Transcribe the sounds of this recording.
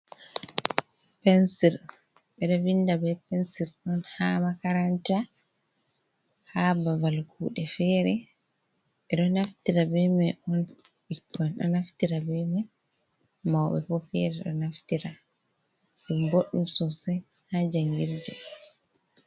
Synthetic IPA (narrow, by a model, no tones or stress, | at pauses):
pɛnsiɾ | ɓɛɗɔvindabɛpɛnsiɾɗɔnhaːmakaɾanta | habavalkʰṵːɗɛfɛɾɛ | ɓɛɗɔnaftiɾabɛmɛʔɔn | ɓikːɔnɗɔ̰naftiɾabɛmɛ | mawɓɛ̰fɔfɛ̰ɾɛɗɔ̰naftiɾa | ɗumboɗːumsɔsɛj | had͡ʒaŋɡiɾd͡ʒɛ